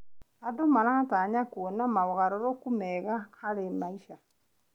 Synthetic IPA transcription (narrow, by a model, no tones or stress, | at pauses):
adomaɾataɲakwonamawɔɣaɾɔɾɔkumɛɣahaɾemaiʃa